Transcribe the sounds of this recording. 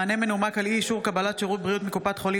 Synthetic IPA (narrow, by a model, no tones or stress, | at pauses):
ane̞menumakaliːʃuʁkabalat̪ʃeʁut̪̚bʁijut̪mikupat̪χo̞li